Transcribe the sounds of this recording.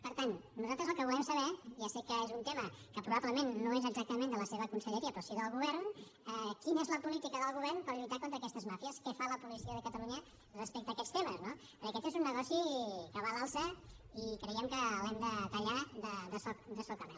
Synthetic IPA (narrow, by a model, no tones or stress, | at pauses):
pəɾt̪annuzalˠt̪ɾəzəlˠkəβulɛmsəβɛʒasekəezunt̪eməkəpɾuβabləmenːoezəɡzak̚t̪əmẽnd̪ələseβəkunsəʎəɾiəpɾosiðəlˠɣuβ̞ɛɾn | ɛkinəezləpulit̪ikəðəlˠɣuβɛrnpəɾʎut̪akont̪ɾəkɛst̪əzmafiəskɛfaləpulisiəðəkət̪əluɲə | rəspek̚t̪əːkɛst̪eməzno | pɾəkɛt̪ezunːəɣɔsikəβalalˠsə | ikɾəiɛmkəlɛmd̪ət̪əʎad̪əd̪əsd̪əsokəmɛ